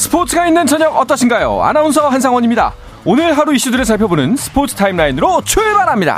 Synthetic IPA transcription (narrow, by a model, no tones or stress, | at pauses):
sʰɯ̥pʰotʰɯɡainːɯnt͡ɕʰʌɲʌŋʌt͈ʌɕʰinɡajo̰a̰naunsʰʌɦansʰaŋwʌɲimɲida̰ | onɯɭɦaɾuiɕ͈udɯɾɯɭs̬aɭpʰjʌbonɯnsʰɯ̥pʰotʰɯ̥tʰaimɾainɯɾot͡ɕʰuɭbaɾɦamɲida̰